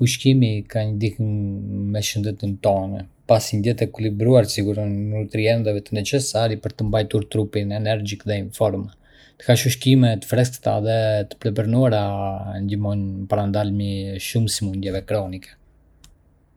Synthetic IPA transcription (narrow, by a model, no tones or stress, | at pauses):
uʃkimikaɲəd̪ihəmmɛʃənd̪ɛt̪ənt̪ɔnɛpasind̪ɛt̪ɛkulibɾuaɾsiɡuɾɔnut̪ɾiɛnd̪ɛvɛt̪ənɛt͡ʃɛsaɾipəɾt̪əmbajt̪uɾt̪ɾupinɛnɛɾd͡ʒikðɛiɱfɔɾm | t̪ə̥kaʃuʃkimɛt̪ə̥fɾɛst̪ə̥t̪a̰ðɛt̪ə̥plɛpəɾnuaɾand̪imɔnpaɾand̪almiʃumsimund̪jɛvɛkɾɔnikɛ̥